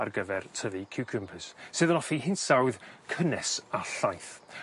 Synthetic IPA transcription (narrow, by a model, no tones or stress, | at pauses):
a̰rɡəvɛrtʰəvikʰɪwkʰəmpʰəssɨːðənɔfiɦɪntsawðkʰənɛsaɬajθ